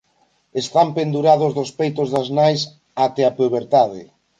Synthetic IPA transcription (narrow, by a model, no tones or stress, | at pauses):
est̪ampend̪uɾaðʊzðospejt̪ozðɐznajs | at̪eapeβeɾt̪aðɪ̰